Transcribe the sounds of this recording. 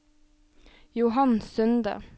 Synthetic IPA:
jʊɦɑnsʏnd̪ə̰

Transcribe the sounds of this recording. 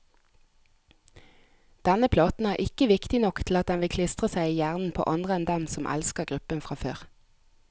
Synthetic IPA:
d̪̥ɛnəpʰlɑːt̪n̩æːʁʔɪkəʋɪkt̪ɪnɔkt̪ʰl̩ɑt̪̚d̪ɛnʋɪlkʰlɪst̪ʁəsæɪiːjæːʁnn̩pʰo̰ːʔɑnd̪ʁəɛnd̪ɛmsɔmʔæ̰lskəʁɡʁʉpənfʁɑːføːʁ

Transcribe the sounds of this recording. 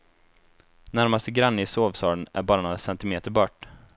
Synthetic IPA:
næɾmast̪əɡɾanːəɪsoːvsɑːɭənæ̰ɾbɑːɾanoːɾasɛnt̪ɪmeːt̪əɾbɑʈː

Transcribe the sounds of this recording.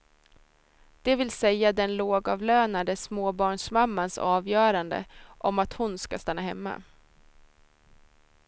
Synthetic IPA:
d̪̥ɛvɪlsɛjːad̪ɛnloːɡɑːvløːnad̪əsmoːbɑːɳʂmamːansɑːvjœːɾand̪ə̰ʔɔmat̪hʊnskast̪anːaɦɛmːa̰

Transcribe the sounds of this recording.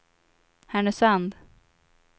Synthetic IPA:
hæɳəsand̪

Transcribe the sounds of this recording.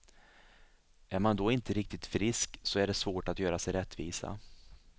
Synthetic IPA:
ʔæɾmand̪ɔɪnt̪əɾɪk̚t̪ɪt̪fɾɪsksɔæɖɛsvoːʈat̪jœːɾasɛjɾɛt̪ːvḭːsa̰

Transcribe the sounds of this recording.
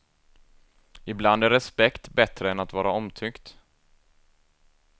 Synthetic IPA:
ɪbland̪æɾɛspɛkt̪bɛt̪ɾəɛnat̪vɑːɾaɔmt̪ʰʏkt̪

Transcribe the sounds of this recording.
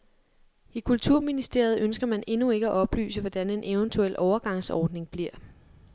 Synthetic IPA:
ikʰult͡sʰuɐ̰minisd̥e̝ɐ̰ð̞̩ˠʔønsɡ̥ɐmæne̝nue̝ɡ̥əæʔɒ̽b̥ly̰ːsəʋɒd̥æne̝nʔe̝ʊənt͡sʰuel̰ʔɒʊɐɡ̥ɑ̈ŋ̰sɒːd̥ne̝ŋb̥liɐ̰

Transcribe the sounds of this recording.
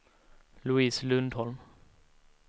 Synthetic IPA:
lʊiːslɵnd̪hɔlm

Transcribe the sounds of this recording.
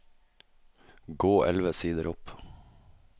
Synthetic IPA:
ɡoːʔɛlʋəsiːd̪əɾʔɔp

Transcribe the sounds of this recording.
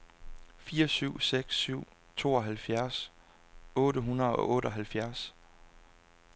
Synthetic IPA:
fiːɐsyʊ̰seɡ̥sːyʊ̰ | t͡sʰo̝̰ːɒ̽ɦælfjæɐs | ɔ̽ːɾəɦunɐð̩ˠɒ̽ʔɔ̽ːɾəɒɦælfjæɐs

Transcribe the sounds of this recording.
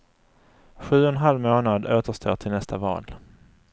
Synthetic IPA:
ɧʉ̟ːɔnɦalvmoːnad̪oːt̪əʂt̪ʰo̰ːʈʰɪlnɛst̪ʰavɑ̰ːl

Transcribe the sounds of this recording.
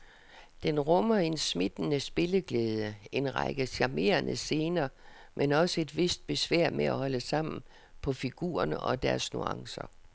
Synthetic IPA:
d̥enʁɔmɐe̝nsmed̥nəsb̥e̝ləɡ̥leːðˠəe̝nʁɑ̰ɡ̥əɕɑme̝̰ːɐnʔə̰se̝ːnɐ | mʔenɒ̽səe̝d̥ʋe̝sd̥̚b̥e̝sʋæɐ̰mʔeæ̰hɒ̽ləsɑ̈m̰n̩ | pʰɒ̽fiɡ̥ṵːɐnəʔɒ̽d̥æɐsnṵɑ̈ŋsɐ̰

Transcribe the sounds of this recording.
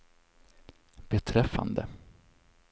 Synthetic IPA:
bɛt̪ʰɾɛfːa̰nd̪ə̰

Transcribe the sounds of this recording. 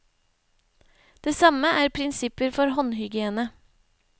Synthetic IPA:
d̪̥eːsɑməʔæːɾpʰɾɪnsɪpəɾfɔɾɦɔnhʏɡɪeːnə

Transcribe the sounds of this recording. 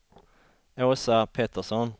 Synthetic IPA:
oːsɑpʰeːt̪əʁsɔn

